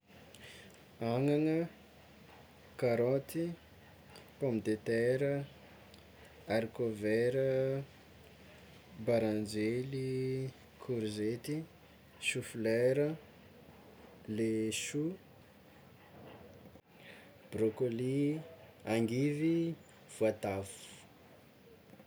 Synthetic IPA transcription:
aŋaŋə | kaɾot̪i | pɔmd̪et̪ɛɾə | aɾikovɛɾə | baɾand͡ʒeli | kʰuɾizet̪i | sufilɛɾə | leʃu | b̥rokoli | aŋɡivi | v̥uat̪afu̥u̥

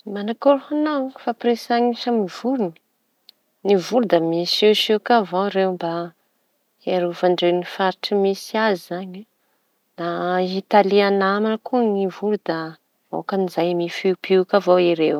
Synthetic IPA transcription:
manakoɾhanawfapresaɲiʃamivuɾunə̥ | nivuɾd̪əmiseʃekavoɾewmba | eɾuvaɳɖ͡ʐewnifaɾiʈ͡ʂəmisiazizaɲa | nait̪alianamanəkunivuɾud̪a | o̰kanizajmifiupikavoiɾew

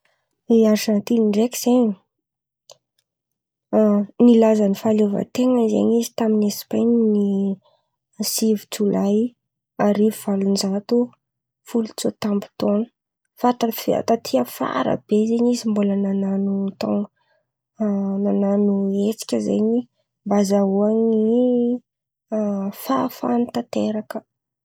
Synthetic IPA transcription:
iaɾʈ͡ʂant̪iiɳɖ͡ʐekʲiz̥eɲi | nilazanifalovə̰t̪eŋəzḛɲizi̥t̪aminesi̥pajnni | sivit͡sulaj | aɾiviv̥alund͡ʒat̪u | fulut͡sot̪ambu̥t̪onə̥ | fat̪afa̰t̪at̪ʰiəfa̰ɾə̰b̥ezeɲizimbulənananut̪o̰ŋ | nananuet͡si̥kʲəzḛɲi | mbazauaŋi | fafa̰nit̪at̪eɾakə

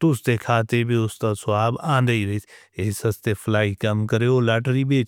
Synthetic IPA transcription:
t̪ʊst̪ekʰaːt̪ebʱiʊst̪asʊaːbãːnd̪əiɾeis | esɐst̪epʰlaːikɐmkəɾeolaːʈɾibeːt͡ʃ

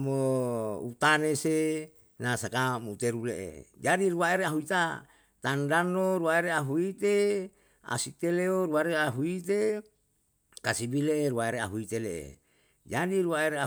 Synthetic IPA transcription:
moṵt̪anese | nasakamuut̪eɾuleʔḛd͡ʒadiɾuaeɾeaɦuit̪a | t̪andanoɾuaeɾeaɦuit̪e | a̰sit̪eleoɾuaɾeaɦuit̪e | kasibileʔeɾuwaeɾeaɦuit̪eleʔḛ | d͡ʒadiɾuaeɾea

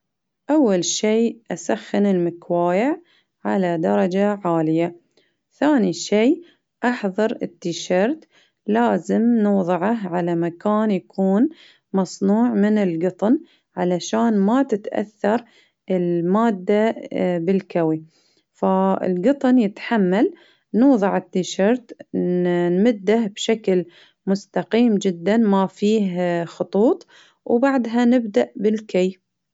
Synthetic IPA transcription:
ʔawːalʃiːʔasaxːɪnɪlmɪkwaːjɪʕ | ʕalad̪ɑɾˤɑd͡ʒaʕaːlɪja | θaːniʃiː | ʔɑħðˤɑɾˤɪ̰t̪ːiʃɑɾˤt̪ | laːzɪmnʊːðˤɨʕahʕalamakaːnjakʰuːn | mɑsˤnuːʕmɪnɪlɡɨt̪ˤn | ʕalaʃaːnmat̪ɪt̪ʔa̰θːɑɾˤ | ʔɪlmaːd̪ːabɪlkawi | faɪ̰lɡɨt̪ˤnjɪt̪ħamːal | nuːðˤɨʕɪt̪ːiʃɑɾˤt̪ | nmɪd̪ːahbʃakl | mʊst̪aqiːmd͡ʒɪd̪ːanmafiːhxʊt̪ˤuːt̪ˤ | wbaʕd̪ɦanɪbd̪aʔbɪlkaj

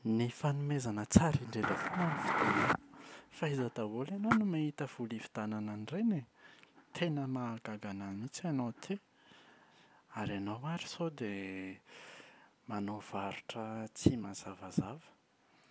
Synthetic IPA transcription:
nifanumezanət͡saɾiɳɖ͡ʐeləfunanifid̪̥inafajzat̪avolanonumaɦit̪əv̥ulivi̥d̪̥anananirenet̪ʰenəmaːɡaɡananit͡sanot̪ʰe | aɾianawaɾi̥sod̪e | manov̥aɾu̥ʈ͡ʂət͡simaz̥avazavə̥

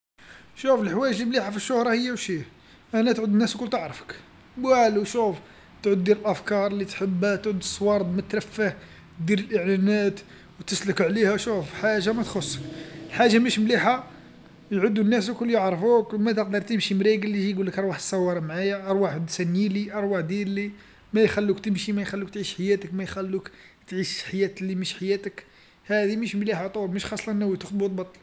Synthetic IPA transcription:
ʃufəlħwæjəʒimliħafiʃːʊhɾˤɑhəjːæwʃi | ʔænæt̪ʕud̪ənːæskʊlːt̪əʕɾəfə̥k | bwæluʃuf | t̪ʕʊd̪ːiɾəlʔæfkɑɾˤlit̪ħəbæt̪ʕud̪əsˤːwɑɾˤd̪mæt̪ɾæfːəh | d̪iɾəlʔəʕlænæt̪ | wt̪əsləkʕlihæʃufħaʒamæt̪xʊsːə̥kəlħaʒːamæʃmliħa | jʕʊd̪ːunːæs̬kʊlːjəʕɾˤfukmæt̪əq̚d̪əɾˤt̪əmʃimɾiɡəlːiʒiɡulːəkʔɑɾˤwaħsˤːɑwːɑɾˤɑmʕajaʔɑɾˤwaħd̪sænjiliʔɑɾˤwaħd̪ili | mæjxælːukt̪əmʃimæjxælːuk̚t̪ʕiʃħajæt̪əkmæjxælːuk | t̪ʕiʃħajæt̪liməʃħajæt̪ək | hæd̪iməʃmliħat̪ˤulməʃxɑsˤlɑnːæwit̪əxd̪but̪̚bɑt̪ˤːl

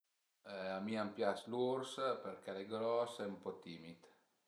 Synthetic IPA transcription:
amiampjaslurspeɾkaleɡɾɔsɛumpɔt̪iːmit̪

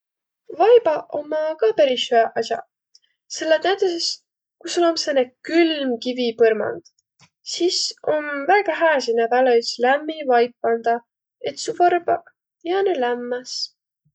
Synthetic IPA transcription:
vɑjb̥ɑʔomːɑkɑpæɾishyeʔɑsʲjɑ̰ | selːenæjt̪ɑses | kusolomsenekylmkivipɤrmɑ̰nd̪̥ | siso̞nvæɡ̥ɑɦæːs̬inæd̪ɑleslæmːivɑjpːɑnd̪̥ɑ | e̞t̪suvɑrbɑ | jɑnelæmːɑs

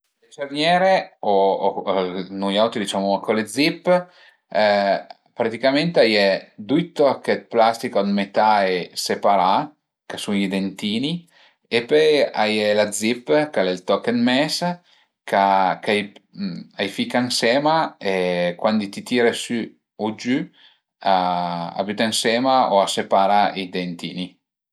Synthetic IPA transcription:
let͡ʃernjɛːɾeo | nujawt̪ɾid̪it͡ʃaːmoakoled̪zipː | pɾat̪ikament̪eajɛd̪ujt̪ɔkːet̪̚plast̪ikod̪met̪aesepaɾa | kasunʎid̪ent̪iːni | epɔjajɛlad̪zipːkalɛlt̪ɔkːet̪mɛs | kakaj | ajfikansɛːmaekwand̪it̪it̪iːɾesy | od͡ʒy | aa̰byt̪ainsɛːmaoasepaːɾaid̪ent̪iːni

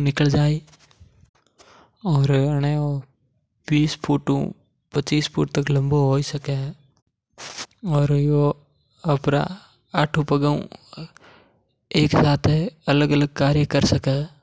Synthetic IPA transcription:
nɪkəld͡ʒaːi | ɔːɾɐneo | biːspʰuːʈõ̰ | pɐt͡ʃiːspʰṵːʈ̚t̪əklɐ̃mboɦoːisɐkeɦɛː | ɔːɾjo | ɐpna̰ | aːʈʰʊpəɡəṵ̃ | eːksaːt̪ʰɐləɡələɡ̚kaːɾjəkəɾsɐkaː

